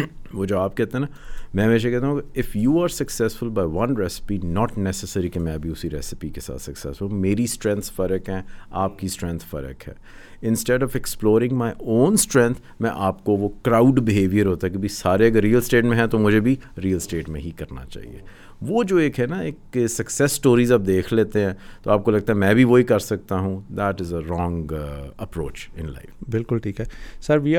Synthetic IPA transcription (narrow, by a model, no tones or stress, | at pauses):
ʋod͡ʒoːaːp̚kɛɦt̪ẽɦɛnamɛ̃ːmẽːʃ̬ekɛɦt̪aɦũkeɪfjuːaːɾsɐksɛsfʊlbaːɪʋɐ̃nɾɛsɪ̥pinɔːʈnɛsɛsəɾikemɛ̃ɐbʱiʊsiɾɛsɪpikesa̰ːt̪sɐksɛ̰sɾũmeːɾisʈɾɛ̃nt̪sfɐɾəkɦɛ̃aːp̚kisʈɾɛ̃nt̪ʰfɐ̰ɾə̰kɦɛ̰ː | ɪ̃nsʈɛɖɔːfɛksploːɾɪ̃ŋɡmaːɪʔõːnsʈɾɛ̃nt̪ʰ | mɛ̰̃ʔaːpkoʋokɾaːʊɖbɪɦeːʋijəɾɦoːt̪aɦɛkebʱisaːɾeɐɡəɾːiːəlsʈeːʈmẽɦɛ̃t̪omʊd͡ʒʱebʱiɾiːəlsʈeːʈmẽɦikɐɾna̰t͡ʃa̰ːɦḭḛː | ʋoːd͡ʒoːeːkɦɛnaeːksɐksɛsːʈoːɾiːzaːb̚d̪eːkʰleːt̪eɦɛ̃ːt̪oaːp̚kolɐɡ̚t̪aɦɛmɛ̃ːbʱiʋoɦikɐɾsɐk̚t̪aɦũd̪ɛʈɪzəɾɔ̃ːŋɡəpɾoːt͡ʃɪ̃nla̰ɪfbɪlkʊlʈʰiːkɦɛːsɐɾʋi